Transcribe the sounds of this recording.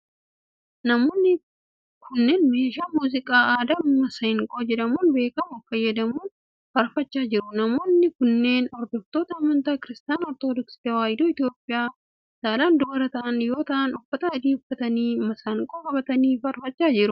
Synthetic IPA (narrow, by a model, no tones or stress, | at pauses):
nɐmoːnːɪ | kʰʊnːe̞ːnme̞ːʃaːmuːzɪkʼaːaːd̪ɐmɐsɐhɪŋkʼoːd͡ʒɛᶑɐmuːnbe̞ːkɐmʊfɐjːɐd̪ɐmuːn | fɐɾfɐt͡ʃːaːd͡ʒɪɾʊnɐmo̞ːnːɪkʊnːe̞ːnɔɾd̪ɔft̪oːt̪ɐɐmːɐnt̪aːkɪɾɪst̪aːnɔɾt̪oːd̪ɔksɪ̥t̪ɐwaːjd̪oːɪt̪jo̞ːpʼɪjaː | saːlaːnd̪ɔɐɾɐt̪ɐʔɐnjo̞ːt̪ɐʔɐnʊfːɐt̪ɐɐd̪iːʊfːɐt̪ɐniːmɐsɐŋkʼoːkɐbɐt̪ɐniːfɐɾfɐt͡ʃʼːaːd͡ʒɪɾʊ